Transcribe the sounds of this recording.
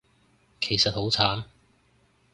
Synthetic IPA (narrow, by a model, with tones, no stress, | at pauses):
kʰe˨˩jsɐ˨t̚ho˨˥wt͡sʰaː˨˥n